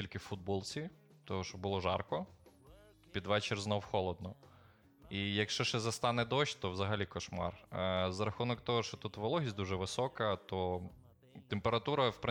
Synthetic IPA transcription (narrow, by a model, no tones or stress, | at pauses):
ilʲkɪfud̪̚bɔlˠt͡sʲi | t̪ɔɦɔʃɔbʊlˠɔʒɑ̰rkɔ | pʲid̪ʋɛt͡ʃɪrznɔwxɔlˠɔd̪̚nɔ | ijɐkʃt͡ʃɔʃɛzɐst̪ɑnɛd̪ɔʃʲt̪ɔwzɐɦɐlʲikɔʃmɑ̰rzɐɾɐxunɔkt̪ɔɦɔʃt͡ʃɔt̪ut̪ʋɐlˠɔɦʲisʲd̪uʒɛʋɪsɔkɐt̪ɔ | t̪empeɾɐt̪uɾɐwpɾɪ